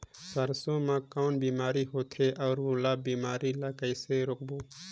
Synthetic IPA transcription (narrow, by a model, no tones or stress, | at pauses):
səɾsõmãkɔːnbiːmaːɾiɦoːt̪ʰeʔɔːɾʋolaːbiːmaːɾilaːkəiseɾʊk̚boː